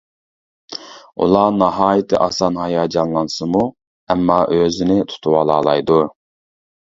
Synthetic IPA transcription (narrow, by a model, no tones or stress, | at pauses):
ṵlˠɑnɑɦɑːjit̪ʰɨʔɑ̰sɑnhɑjɑːd͡ʒɑnlˠɑnsɨmu | ɛmːɑːʔøzɪnɪt̪ʰu̥t̪ʰuwɑlˠɑːlˠɑjd̪u